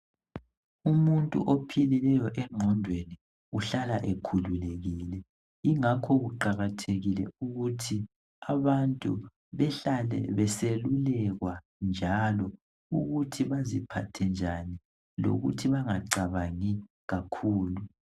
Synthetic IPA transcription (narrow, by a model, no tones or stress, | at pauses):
umuntʼṵʔopʰililɛjɔʔɛŋ͡ǁʱɔndʱweni | uɬalaʔekʰululeɣilɛ | iŋakʰɔɣuǃaɣatʰeɣilɛ̰uɣutʰi | aβantʼṵ | βɛalɛ̰βɛselulɛɣwa | nd͡ʒʱalɔ | uɣutʰiβazipʰatʰɛnd͡ʒʱani | lo̰ɣṵtʰiβaŋaǀaβaŋi | ɣakʰuːlu